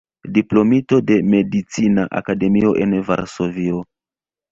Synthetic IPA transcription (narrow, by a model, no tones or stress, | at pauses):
diplo̞mito̞de̞me̞dit͡sinaʔa̰kade̞mio̞ʔe̞nva̰ɾso̞vio